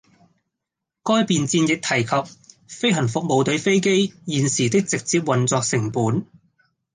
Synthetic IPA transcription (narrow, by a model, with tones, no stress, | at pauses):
kɔː˥jpiː˨nt͡siː˧njɪ˨k̚t̪ʰɐ˨˩jkʰɐ˨p̚ | fe˥jɦɐ˨˩nfʊ˨k̚mo˨˧wt̪ɵ˨˥ɥfe˥jke˥jjiː˨nsiː˨˩t̪ɪ˥k̚t͡sɪ˨k̚t͡siː˧p̬̚wɐ˨˩nt͡sɔː˧k̚sɪ˨˩ŋpuː˨˥n